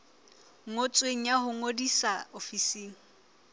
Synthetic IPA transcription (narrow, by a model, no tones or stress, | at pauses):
ŋot͡sʼweŋ̩jaɦʊŋodisaofisiːŋ̩